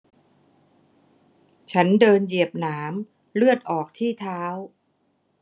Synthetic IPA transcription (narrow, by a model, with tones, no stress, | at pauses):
t͡ɕʰa˦˥ndɤː˧nji˨˩əp̚naː˩˦m | lɯ˥˩ət̪̚ʔɔː˨˩k̚t̪ʰiː˥˩t̪ʰaː˦˥w